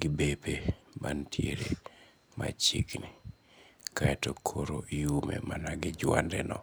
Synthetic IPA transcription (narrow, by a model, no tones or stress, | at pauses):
ɡɪbepʰebantʰjeɾe | ma̰t͡ʃikni | kaɛtokʰoɾoijumḛmanaɡɪd͡ʒwandɛnɔ